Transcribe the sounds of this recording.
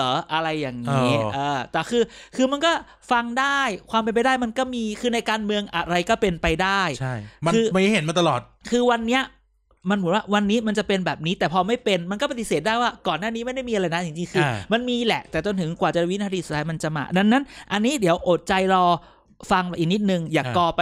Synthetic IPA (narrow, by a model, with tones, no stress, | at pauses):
ʔɤː˩˦ʔa˧ɾa˧jːaː˨˩ŋni˦˧˦ʔɤː˧t̪ɛː˨˩kʰɯː˧kʰɯː˧ma˧nkɔː˥˩ | fa˧ŋdaː˥˩jkʰwaː˧mpe˧np̬a˧jdaː˥˩jma˧nkɔː˥˩miː˧kʰɯː˧na˧jkaː˧nmɯ˧əŋʔa˨˩ɾa˧jkɔː˥˩pe˧npa˧jdaː˥˩jt͡ɕʰa˥˩jma˧ɯː˧m˧˥˦hɦe˩˦nmaː˧t̪a˧lɔː˨˩t̪̚kʰɯː˧wa˧nːi˦˥ɐ | ma˧nmu˩˦nwaː˥˩wa˧nːiː˦˥ma˧nt͡ɕa˨˩pe˧nbɛː˨˩p̚niː˦˥t̪ɛː˨˩pʰɔː˧ma˥˩jpe˧nma˧nkɔː˥˩pa˧t̪i˨˩seː˨˩t̪̚daː˥˩jwaː˥˩kɔː˨˩nːaː˥˩niː˦˥ma˥˩jda˥˩jmiː˧a˧ɾa˧jna˦˥t͡ɕi˧ŋt͡ɕi˧ŋkʰɯː˧ma˧nmiː˧lɛ˨˩ʔt̪ɛː˨˩t̪t͡ɕo˧nt̪ʰɯ˩˦ŋkwaː˨˩t͡ɕa˨˩˧wi˦˥nʰa˧ɾiː˧˩su˨˩a˧jma˧nt͡ɕa˨˩ʔma̰ː˧da˧ŋːa˦˥nʔa˧nːiː˦˥di˩˦əwʔoː˨˩t̪̚t͡ɕa˧jɾɔː˧ | fa˧ŋ˧˩ʔiː˨˩ni˦˥t̪̚nɯ˨˧ŋjaː˨˩kɔː˧p